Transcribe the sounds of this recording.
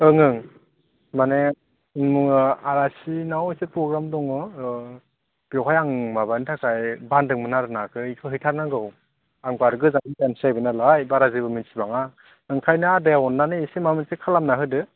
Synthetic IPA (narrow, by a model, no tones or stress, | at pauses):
ɯŋɯŋ | mane | inmuaɾasinawiset̚pɾɔɡɾamdɔŋɔ | b̥jɔɦʰajaŋmabanitʰakʰajbandɯŋmɯnaɾɯnakʰɯikʰɯɦɯjtʰaɾnaɡɯw | aŋbaɾɯɡɯzaŋipansiajbɯnalajbaɾazibɯminsibaŋa | ɯŋkʰajnadajawɔnːanɯisemamɯnsekʰalamnaɦɯdɯ